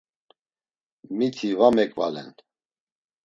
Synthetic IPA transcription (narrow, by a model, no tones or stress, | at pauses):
mit̪ʰivamɛkʼvalɛ̰n